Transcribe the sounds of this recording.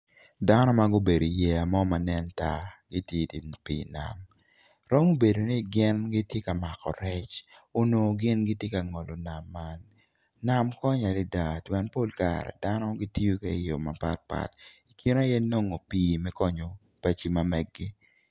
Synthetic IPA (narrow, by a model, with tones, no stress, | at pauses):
da˦nɔ˦ma˦ɡʊ˦be˨do˨i˨jɛ˦a˨mɔ˦ma˨nɛ˦nta˦ɡi˦tje˦ti˨pḭː˨na̰˨m | ɾɔ˦mo˦be˨do˨ni˦ɡɪ˦nɡi˦tje˦ka˨ma˨kɔ̰˨ɾɛ˦t͡ʃo˦no˨ɡɪ˦nɡi˦tje˦ka˨ŋɔ˨lo˨na˨mːa˦nː | a˨mkɔ˦ɲa˨lɪ˦da˨twɛ˦npo˦lka̰ɾɛ̰˨da˦nɔ˦ɡi˦ti˦o˦kɛ˦jo˨ma˨pa̰˦t̚pa̰˨ti˨kʰi˦na˦jɛ˦no˦ŋo˨piː˦mɛ˦kɔ˦ɲo˨ | pa˦t͡ʃi˦ma˨mɛ˦ɡɡɪ˦